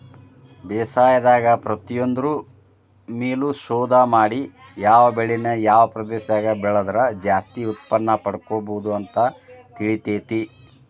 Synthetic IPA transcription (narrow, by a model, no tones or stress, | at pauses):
bɛːsaːjɐd̪aːɡɐpɾɐt̪ijond̪ɐɾu | meːluʃɔːd̪ɐmaːɽi | jaːʋɐbeɭinɐjaːʋɐpɾɐd̪ɛːʃaːɡɐbɛɭɐd̪ɐɾɐd͡ʒaːst̪iut̪̚pɐnːɐpɐɽkoːbod̪uɐnt̪ɐt̪iɭit̪eːt̪i